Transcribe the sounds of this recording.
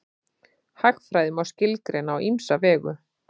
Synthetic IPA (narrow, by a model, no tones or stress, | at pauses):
haxfɾajðʏmawscɪlkɾɪnawʔimsavɛːɣʏ̰